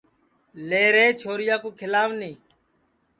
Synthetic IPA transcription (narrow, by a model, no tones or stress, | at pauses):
leːɾeːt͡ʃʰoːɾɪjaːkoːkʰɪlaːʋnĩː